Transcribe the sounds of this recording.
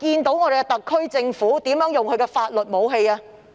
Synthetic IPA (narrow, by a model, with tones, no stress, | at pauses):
kiː˧nt̪o˨˥wŋɔː˨˧ɾe˨jkɛ˧t̪ɐ˨kʰːɵ˥ɥt͡sɪ˧ŋfuː˨˥t̪iː˨˥mjœː˨˥ŋjʊ˨˩ŋkʰɵ˨˧ɥkɛː˧faː˧t̚lɵ˨t̚mo˨˧wɦe˧jaː˧